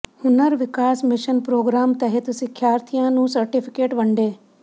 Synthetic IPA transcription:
hʊnəɾʋɪkaːsmɪʃənpɾoːɡɾaːmt̪ɐɦet̪sɪkʰjaːɾt̪ʰijãnũːsɐɾʈɪpʰɪkeːʈʋɐɳɖeː

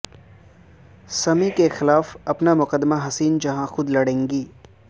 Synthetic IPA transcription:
sɐmikexɪlaːfɐpnamʊqəd̪ːmaɦɐsiːnd͡ʒɐɦãxʊd̪lɐɽẽːŋɡiː

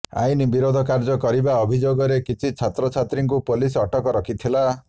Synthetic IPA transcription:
a̰jnibiɾod̪ʱɔkaɾd͡ʒɔkɔɾibaɔbʱid͡ʒoɡɔɾekit͡ʃʰit͡ʃʰat̪ɾɔt͡ʃʰat̪ɾiŋkupolisɔʈɔkɔɾɔkʰit̪ʰila

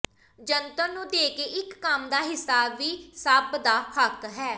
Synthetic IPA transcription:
d͡ʒənt̪ənũːd̪eːkeːʔɪkːəmd̪aːɦɪsaːʋiːsəbd̪aːhəkɦɛː

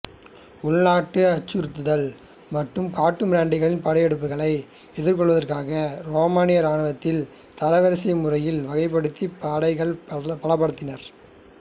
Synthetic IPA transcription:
ʊɭnaːʈːɯɐt͡ʃːɯɾɯt̪ːɯðɐɭ | mɐʈrɯmkaːʈːɯmɾaːɳɖɪɣɐɭɪnpaːɽɐɪjɛɽɯp̬ːɯɣɐɭɐɪ | ɛðɪɾkɔɭʋɐðɐrkaːɣɐɾoːmaːnɪjɐɾaːɳɯʋɐt̪ːɪl | t̪ɐɾɐʋɐɾɐsɐɐmʊrɐjɪlʋɐɣɐɪp̬ːɐɽɯt̪ːipaːɽɐɪɣɐɭpɐɭɐp̬ːɐɽɯt̪ːɪnɐɾ

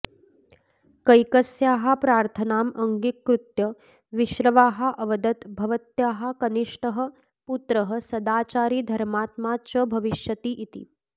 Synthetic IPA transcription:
kɐjkɐsjaːɦɐ̆pɾaːɾt̪ʰɐnaːmɐŋɡikːɾut̪jɐ | ʋiʃɾɐʋaːɦɐ̆ʔɐʋɐd̪ɐt̪bʱɐʋɐt̪jaːɦɐ̆kɐniʂʈɐɦɐ̆ | put̪ɾɐɦɐ̆sɐd̪aːt͡ʃaːɾiːd̪ʱɐɾmaːt̪maːt͡ʃɐbʱɐʋiʃjɐt̪iʔit̪ḭ

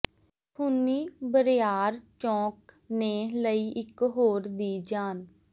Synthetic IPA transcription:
pʰʊnːiːbəɾɪjaːɾt͡ʃɔ̃ːk | neːləiːʔɪkɦoːɾd̪iːd͡ʒaːn

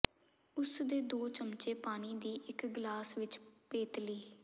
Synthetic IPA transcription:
ʊsd̪eːd̪oːt͡ʃəmt͡ʃeːpaːniːd̪iːʔɪkɡlaːsʋɪt͡ʃpeːt̪liː

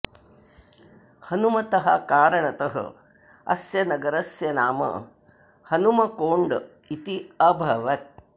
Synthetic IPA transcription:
hɐnumɐt̪ɐɦɐkaːɾɐɳɐt̪ɐɦɐ̰ | ɐ̰sjɐnɐɡɐɾɐsjɐnaːmɐ̰ | hɐnumɐkoːɳɖ | it̪iɐbʱɐʋɐt̪̚

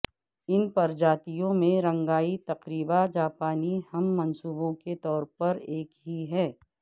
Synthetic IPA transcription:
ɪnpɐɾd͡ʒaːt̪ijõmẽɾɐ̃ŋɡaːit̪ɐqɾiːbad͡ʒaːpaːnihɐmːɐnsuːbõket̪ɔːɾpɐɾeːkɦiɦɛː

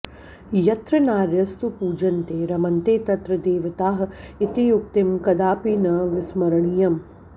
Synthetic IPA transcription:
jɐt̪ɾɐnaːɾjɐst̪upuːd͡ʒɐnt̪eːɾɐmɐnt̪eːt̪ɐt̪ɾɐd̪eːʋɐt̪aːɦɐit̪ijuk̚t̪imkɐd̪aːpinɐʋɪsmɐɾɐɳijɐm

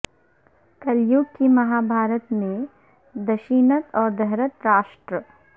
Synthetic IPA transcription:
kɐljukkimɐɦaːbʱaːɾət̪mẽ | d̪ɐʃiːnət̪ɔːɾd̪ɐɦɾət̪ɾaːʃʈɾə

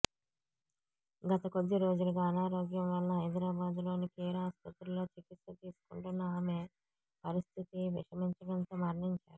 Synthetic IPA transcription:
ɡɐt̪ɐko̞d̪ːiɾo̞ːd͡ʒuluɡaːɐnaːɾo̞ːɡjɐmʋɐlːɐɦɐjd̪ɾaːbaːd̪ulo̞ːnikiːɾaːst̪ʰɐt̪ɐlo̞ːt͡ʃikit̪sɐt̪iːsu̥kuɳʈunːɐaːme̞ | pɐɾist̪ʰit̪iʋḭʂɐmiɲt͡ʃɐɽɐnt̪oːmɐɾɳiɲt͡ʃaːɾu

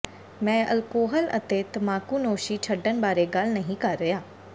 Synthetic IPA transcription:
mɛ̃ːʔə̰lkoːɦələ̰t̪eːt̪əmaːkuːnoːʃiːt͡ʃʰəɖːənbaːɾeːɡəlnəɦĩːkəɾːəjaː

